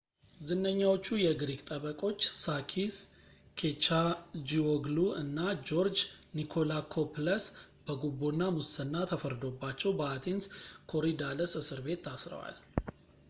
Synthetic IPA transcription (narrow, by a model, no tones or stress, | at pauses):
zɨnːəɲːawo̞t͡ʃːujɛɡɾiɡt̪ʼəβəkʼo̞t͡ʃːsakʰis | kʰet͡ʃad͡ʒioɡluɨnːad͡ʒoɾd͡ʒnikʰo̞lakʰopləs | b̥əɡubːonːamusənːat̪ʰəfəɾd̪o̞bːat͡ʃːɛwbəat̪ʰenskʰo̞ɾid̪aləsɨsɨɾbe̞t̪ʰːasɾə̰wa̰l